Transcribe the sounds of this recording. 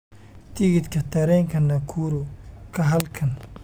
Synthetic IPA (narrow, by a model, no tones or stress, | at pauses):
t̪iɡɪt̪kɐt̪ɐɾɛŋkʰɐnːɐkʰuɾukɐɦɐlkʰɐn